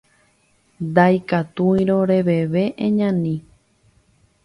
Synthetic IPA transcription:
d̪ajkat̪uĩɾoɾe̞ʋe̞ʋe̞ʔẽɲãnĩ

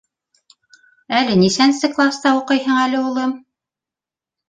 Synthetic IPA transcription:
ælɘnisænsɘklˠast̪ɑuqɤjɦɤɴælɘ̆ulˠɤm

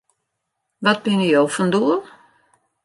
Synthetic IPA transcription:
ʋɔt̚bɪnijowfɔnduəlˠ

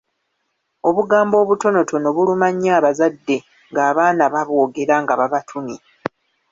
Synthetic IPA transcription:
o̞βuɡaːmbo̞ːβuto̞no̞tʰo̞no̞βulumaɲːaːβazadːe̞ | ŋɡaːβaːnaβaβo̞ːɡe̞ɾaŋɡaβaβatʰuni

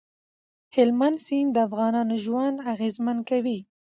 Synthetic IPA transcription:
hɪlmand̪sind̪əafɣɑnɑnoʒwand̪aɣezmankawi

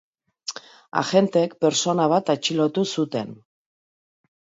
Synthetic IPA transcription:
a̰xe̞nt̪e̞kpe̞ɾso̞naβ̞at̪at͡ʃilot̪usut̪e̞̰n

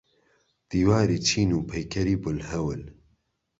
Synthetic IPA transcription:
d̪̥iːwaːɾiːt͡ʃʰiːnuːpʰɛjkʰɐɾiːbʊlhɐwɨl

